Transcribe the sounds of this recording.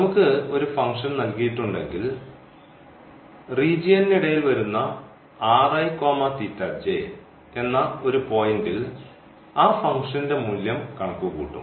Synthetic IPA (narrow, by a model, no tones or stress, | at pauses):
nɐmukːɨo̞ɾufɐŋʂɐnnɐlkijiʈːuɳɖe̞̰ŋɡil | riːd͡ʑijɐnniɽɐjilʋɐɾunːɐ | aːrɐjko̞ːmɐt̪itːɐd͡ʑe | e̞nːɐo̞ɾupo̞ːjindil | aːfɐŋɡʂɐninde̞muljɐmkɐɳɐkːuɣṵːʈːṵ